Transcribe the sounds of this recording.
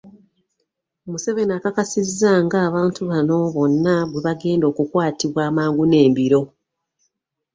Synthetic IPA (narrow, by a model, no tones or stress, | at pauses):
omuse̞βenaːkakasizːaŋɡaːβaːntuβano̞βo̞nːaβweβaɡe̞ːndo̞ːkukwaːtiβwaːmaːŋɡune̞ːmbiɾo̞